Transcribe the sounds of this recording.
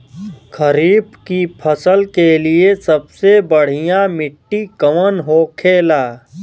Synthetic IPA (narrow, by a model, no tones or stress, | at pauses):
kəɾiːbkipʰəsəlkeliesɐbsebəɽ̤ijãmɪʈːikəʋənɦoːkʰeːlaː